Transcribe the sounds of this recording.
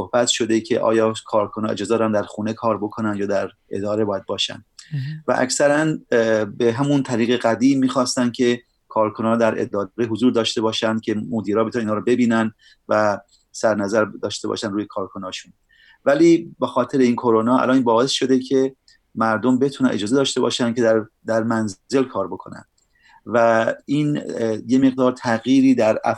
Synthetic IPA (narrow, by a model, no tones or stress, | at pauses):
sohbæt̪ʃo̞d̪e̞cʰe̞ʔɒ̰ːjɒːkʰɒːɾkʰonɒːḛd͡ʒɒːzeɾɾænd̪æɾxuːnekʰɒːɾbo̞kʰonænd̪jɒːd̪æɾ | e̞̰d̪ɒːɾebɒːjæd̪̚bɒːʃæ̰nd̪væ̰ʔæ̰ksæɾænbeɦæmunt̪ʰæɾiːɣeɣæd̪iːmːiːxɒːst̪ænd̪̥̚cʲʰe̞ | kʰɒːɾkʰonɒːd̪æɾḛd̪ɒːɾeɦozuːɾd̪ɒːʃt̪e̞bɒːʃænd̪̚cʲʰe̞mod̪iːɾɒːbet̪ʰuninɑːɾɔbe̞biːnæn | væ | sæɾnæzæɾd̪ɒːʃt̪e̞bɒ̰ʃænɾuːjekʰɒːɾkʰonɒːʃun | væliːbexɒːt̪ʰe̞ɾeiːnkʰoɾonɒːæ̰lɒːninbɒːe̞sʃo̞d̪e̞cʰe̞ | mæɾd̪ombe̞t̪ʰunænʔe̞̰d͡ʒɒːze̞d̪ɒːʃt̪e̞bɒ̰ːʃæncʰe̞d̪æɾ | d̪æɾmænze̞lkʰɒːɾbo̞kʰo̞næ̰n | væiːnje̞me̞ɣ̚d̪ɒːɾt̪ʰæɣjiːɾiːd̪æɾæ̰